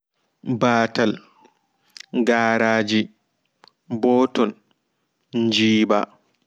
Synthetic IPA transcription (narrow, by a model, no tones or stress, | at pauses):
baːtal | ɡaːɾaːd͡ʒi | bɔːtɔn | ɲd͡ʒiːba̰